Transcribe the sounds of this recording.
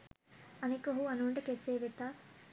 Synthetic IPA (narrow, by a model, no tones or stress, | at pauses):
ɐnekoɦuɐnuɳɖɐkeseːʋet̪ːa